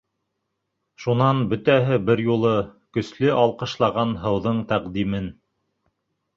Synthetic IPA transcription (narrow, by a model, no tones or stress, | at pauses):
ʃunɑnbɵ̆t̪æɦɘbɘɾjulˠɤkɵ̆slɘʔɑlˠqɤ̆ʃlˠɑʁɑnɦɤ̆wðɤɴt̪æqd̪imɘn